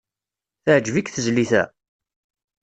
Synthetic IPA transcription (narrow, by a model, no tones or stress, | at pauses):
θəʕd͡ʒvikθəzliθæ̰